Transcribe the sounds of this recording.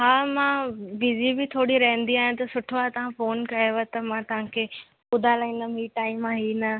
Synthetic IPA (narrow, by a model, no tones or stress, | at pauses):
ɦaːmãʋɪzibɪt̪ʰoːɽiɾɐɦə̃n̆d̪iaːɦij̃t̪ɐsʊʈʰaːɦt̪ɐʋ̤ãfoːnkɐjoʋat̪ɐmãt̪ɐʋ̤ãkʰe | ʊd̪ʱalaĩnd̪əmɦiːʈaːɪmaːɦinɐ